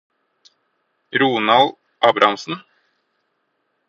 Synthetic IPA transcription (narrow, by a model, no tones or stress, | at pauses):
ɾuːnɑl | ʔɑːbɾʔɑmsn̩